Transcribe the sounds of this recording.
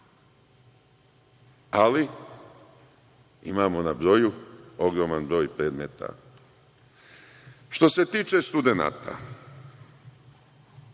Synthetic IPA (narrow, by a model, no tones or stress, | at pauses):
ali | ḭmaːmo̞nabɾo̞juo̞ɡɾo̞manbɾo̞ːjpɾe̞ːd̪me̞ːt̪ʰa̰ | ʃt̪o̞se̞t̪iːt͡ʃe̞st̪ud̪e̞na̰ːt̪ʰa̰